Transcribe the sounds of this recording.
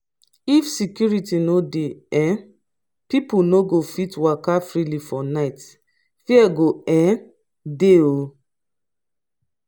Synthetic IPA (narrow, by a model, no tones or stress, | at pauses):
ifsikjuɹitinodeɛ̃ | pipunoɡofitwakafɹilifɔnaɪt | fiɛɡoɛ̃ | deo